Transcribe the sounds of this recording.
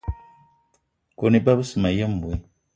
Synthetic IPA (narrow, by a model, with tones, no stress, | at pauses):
ko˨ni˦ba˦bɨ˦sɨ˨ma˨jɛ˦m˦bu˨i˦